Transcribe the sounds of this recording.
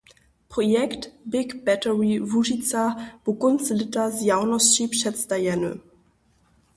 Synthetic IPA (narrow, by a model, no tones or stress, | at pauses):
pʁ̥ojɛktbɪkb̥ɛtəʁivuʒit͡sab̥ukʊnslɪtazjaʊnɔsʃipʃɛt͡sdajɛnø̰